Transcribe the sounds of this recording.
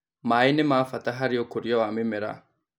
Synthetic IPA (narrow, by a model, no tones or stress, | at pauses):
maːinemaːfataɦaɾiɔkoɾjɔwamɪmɪɾa̰